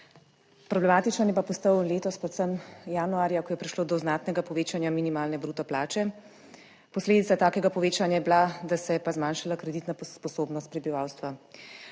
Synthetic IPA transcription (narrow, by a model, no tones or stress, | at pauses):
pɾɔblɛmaːt̪it͡ʃnanjɛpapɔst̪əwleːt̪ɔspɾɛt̪səmjaːnuaːɾjakɔjɛpɾiʃloːd̪ɔznaːt̪nɛɡapɔʋeːt͡ʃanjaminimaːlnɛbɾuːt̪ɔplaːt͡ʃɛ | pɔsleːd̪it̪at̪aːkɛɡapɔʋeːt͡ʃanjajɛblad̪asɛjɛpazmaːnʃalakɾɛd̪it̪nappɔsoːbnɔst̪̚pɾɛbiʋaːwst̪ʋa